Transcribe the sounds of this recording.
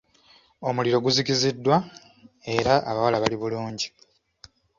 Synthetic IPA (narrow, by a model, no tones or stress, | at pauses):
o̞muliɾo̞ɡuzicizidːwa | e̞ɾaʔa̰βawalaβaliβuluːɲɟi